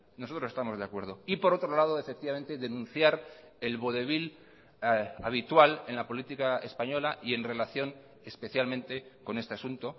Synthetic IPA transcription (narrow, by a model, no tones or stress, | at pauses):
noso̞t̪ɾosest̪amo̞zðeakwe̞ɾð̞o̞ipo̞ɾo̞t̪ɾo̞lað̞oefe̞k̚t̪iβame̞nt̪e̞ðe̞nũn̟θjaɾ | e̞lβoðe̞β̞il | aβ̞it̪wale̞nlapo̞lit̪ikaespaɲo̞laʔie̞nre̞laθjo̞ŋ | espe̞θjalmẽ̞nt̪e̞ko̞ne̞st̪easunt̪o̞